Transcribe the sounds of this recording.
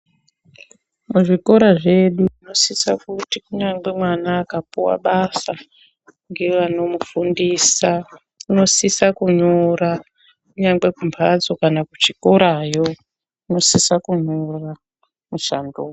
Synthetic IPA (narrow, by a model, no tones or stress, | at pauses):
muʐiko̞ɾaʐe̞ɗuino̞sisa̰kutikuɲaŋɡe̞mwanaːkapuwa̰ɓasa | ŋɡe̞ʋano̞mufundisa | kuno̞sisakuɲora | kuɲaŋɡwe̞kumpʰad͡zo̞kanakut͡ʃikoɾajo | uno̞sisakuɲora | muʃandoː